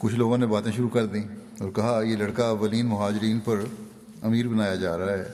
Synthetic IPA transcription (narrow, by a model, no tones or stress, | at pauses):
kʊt͡ʃʰloːɡõnebaːt̪ẽʃʊɾukɐɾd̪ĩː | ɔːɾkɐɦajeːlɐɽkaɐʋːəliːnmʊɦaːd͡ʒɾiːnpɐɾ | ɐmiːɾbɐnaːjad͡ʒaːɾɐɦaɦɛː